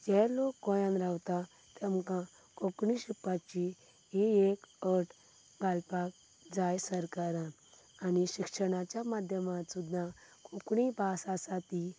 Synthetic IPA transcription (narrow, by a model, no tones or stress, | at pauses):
d͡ʑɛlokːɔ̃jãnɾawt̪a | t̪ɛmkã | kokɳiɕipːat͡ɕi | iekəʈ | ɡalpak̚ | d͡zajsəɾkaɾã | aniɕikʂəɽ̃at͡ɕjamad̪ʱjəmat̪sud̪ʱːãkɔkɳibasasat̪i